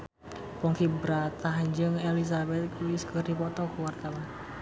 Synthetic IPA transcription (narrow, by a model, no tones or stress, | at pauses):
pɔŋkibəɾat̪ahd͡ʒɨŋɛlis̬abɛt̪̚kʰuskərdipɔt̪ɔkuwart̪awan